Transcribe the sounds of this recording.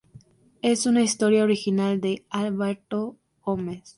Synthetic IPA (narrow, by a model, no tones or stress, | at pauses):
e̞sunaist̪o̞ɾjaoɾixinald̪e̞alβeɾt̪o | ɣomes